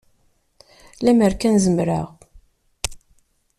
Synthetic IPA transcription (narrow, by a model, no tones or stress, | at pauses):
læməɾkænzəmɾəʁ